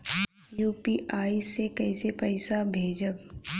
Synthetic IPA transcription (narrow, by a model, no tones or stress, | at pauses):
juːpiʔaːisekɛɪsepɐɪsabʱeːd͡ʒək